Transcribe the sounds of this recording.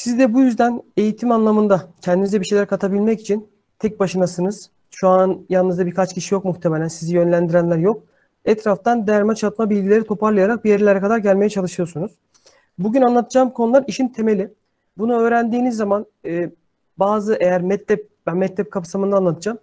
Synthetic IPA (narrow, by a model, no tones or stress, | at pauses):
sizd̪ɛbujyzd̪æne̞jit̪ʰimanlˠamɯnd̪acʰɛnd̪inizɛbiʃejlʲæɾɛkʰat̪ʰabilʲmɛci̥t͡ʃʰin | t̪ʰɛc̚baʃɯnasɯnɯz̥ | ʃuanjalˠnɯzd̪abiɾkʰat͡ʃcʰiʃijo̞kmuxt̪ʰemelʲænsizijø̞nlʲænd̪iɾænlʲæɾjo̞k̚ | ɛt̪ɾaft̪and̪jæɾmɛt͡ʃʰat̪̚mabilʲɟilʲe̞ɾit̪ʰo̞pʰaɾlˠɯjaɾak̚bijeɾlʲeɾɛkad̪aɾɟælʲme̞jɛt͡ʃʰalˠɯʃɯjo̞ɾsunuz̥ | buɟynanlˠat̪ʰɯd͡ʒaːmkʰo̞nulˠaɾiʃint̪ʰe̞me̞lʲi | bunuø̞ːɾænd̪iːnizːaman | ɯː | baːzɯʔejæɾmɛt̪lʲɛp̚bænmɛt̪lːʲɛp̚kʰapsamɯnd̪aːnlˠat̪ʰɯd͡ʒam